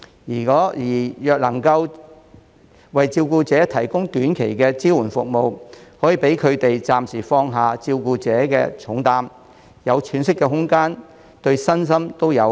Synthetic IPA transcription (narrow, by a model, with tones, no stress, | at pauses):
jiː˨˩kɔː˨˥jiː˨˩jœː˨k̚lɐ˨˩ŋkɐ˧w | wɐ˨jt͡siː˧wkuː˧t͡sɛː˨˥t̪ʰɐ˨˩jkʊ˥ŋt̪yː˨˥nkʰe˨˩jkɛː˧t͡siː˥wuː˨˩nfʊ˨k̚mo˨whɔː˨˥jiː˨pe˨˥jkʰɵ˨˧ɥt̪e˨jt͡saː˨msiː˨˩fɔː˧ŋɦaː˨t͡siː˧wkuː˧t͡sɛː˨˥kɛ̰ː˧t͡ʃʰʊ˨˥ŋt̪aː˧m | jɐ˨˧wt͡ʃʰyː˨˥nsɪ˥kːɛ˧ɦʊ˥ŋkaː˥n | t̪ɵ˧ɥsɐ˥ns̬ɐ˥mt̪o˥wjɐ˨˧w